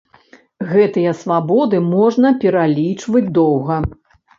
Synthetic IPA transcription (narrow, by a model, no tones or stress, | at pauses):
ɣɛt̪ɨjɐsvabɔd̪ɨmɔʐnɐpʲɛɾalʲit͡ʂvɐd͡zʲd̪ɔwɣɐ